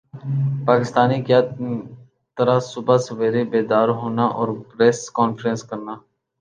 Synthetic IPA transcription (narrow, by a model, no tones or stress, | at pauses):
paːkɪst̪aːnikjaː | t̪əɾasʊbaseʋeːɾebeːd̪aːɾɦoːnaʔɔːɾpɾeːskɔːnfɾə̃nskəɾnaː